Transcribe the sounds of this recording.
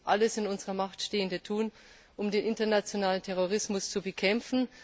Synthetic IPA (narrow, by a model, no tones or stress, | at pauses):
ʔaləsɪnʊnzəʁɐmaχtʃteːəndətʰuːn | ʔʊmdeːnʔɪntɐnat͡sjonaːləntʰɛʁ̞oʁ̞ɪsmʊst͡subəkʰɛmfn̩